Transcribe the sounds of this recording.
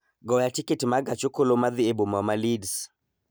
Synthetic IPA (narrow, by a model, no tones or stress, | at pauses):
ɡɔjatiketimaɡat͡ʃokolomaðiebomamalids